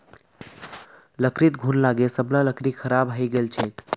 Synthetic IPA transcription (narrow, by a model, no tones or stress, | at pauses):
ləkɾit̪ɡʱunlaɡesəbnaləkɾikʰəɾabɦəjɡelt͡ʃʰek